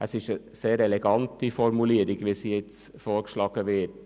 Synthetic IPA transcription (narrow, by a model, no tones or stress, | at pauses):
ʔəsɪʃə | seːɾɛlɛɡɑntifɔɾmuliːəɾɪɡʋisijɛt͡s | foːɾkʃlɑːɡ̥əʋɪt̚